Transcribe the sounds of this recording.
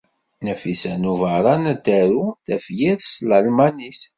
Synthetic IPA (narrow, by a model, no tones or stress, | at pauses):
næfisænuvəɾˤɑnæd̪æɾuθæfjiðsləlmænis